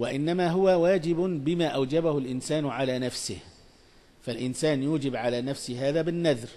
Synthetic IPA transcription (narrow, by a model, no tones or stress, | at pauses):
waʔɪnːamaːɦʊwawaːd͡ʒɪbʊbɪmaːʔawd͡ʒabahʊlʔɪnsaːnʕalaːnafsɪh | falʔɪnsaːnjuːd͡ʒɪbʕalaːnafsɪɦaːðaːbɪnːaðɾ